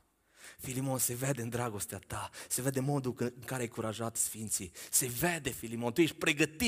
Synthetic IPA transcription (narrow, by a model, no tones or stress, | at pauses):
filimo̞nse̞ved̪e̞ɨnd̪ɾaɡo̞st̪eat̪ase̞ved̪e̞mo̞d̪uɨŋkaɾeajkuɾaʒat̪sfint̪sise̞ved̪e̞filimo̞nt̪ujeʃ̚ʲpɾe̞ɡət̪i